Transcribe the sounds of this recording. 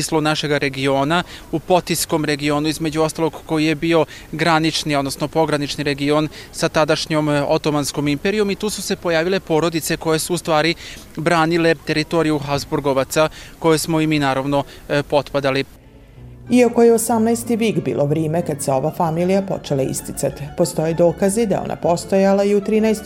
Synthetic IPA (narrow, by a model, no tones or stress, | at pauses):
islˠonaʃe̞ɡaɾe̞ɡio̞ːnaupo̞t̪isko̞mɾe̞ɡio̞ːnuizme̞d͡ʑuo̞st̪alo̞ɡko̞jije̞bio̞ | ɡɾanit͡ʃniod̪nosno̞po̞ɡɾanit͡ʃniɾe̞ɡio̞nsat̪ad̪aʃɲo̞mo̰t̪o̞mansko̞mimpeɾio̞mit̪uːsuse̞po̞jaːʋile̞po̞ːɾo̞d̪it̪se̞ko̞je̞suːst̪ʋaːɾi | bɾaːnile̞t̪e̞ɾit̪o̞ɾijuxazbuɾɡo̞ʋat̪sako̞jesmoiminaːɾaʋno̞ | po̞t̪pad̪ali | iako̞jeosamnajst̪iʋiːɡbḭːlˠʔoʋɾeːmekad̪seo̞ʋafamiːlijapo̰t͡ʃelaḭst̪it̪sat̪i̥post̪o̞jed̪oːkazid̪ajeo̞̰na̰po̞st̪ojalaiut̪ɾiːnajst̪